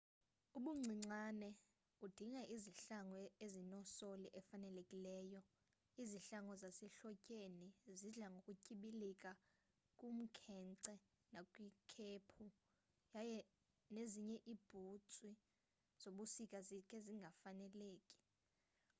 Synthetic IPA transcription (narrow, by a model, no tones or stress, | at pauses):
uɓuŋ͡ǀʱiŋ͡ǀanɛ | ud̥ʱiŋaʔiziɬaŋɔezinɔsoliʔɛfanɛlekʼilɛːjɔ | iziɬaŋɔzasɛɬɔcʼeniziɮaŋɡʱokʼucʼiɓilikʼa | kʼum̩kʰɛǀɛ | nakʼwikʰeːpʰu | jajɛ | neziɲɛʔib̥ʱut͡sʼwi | z̥oɓusikʼazikʼɛziŋɡʱafanɛleːkʼi̥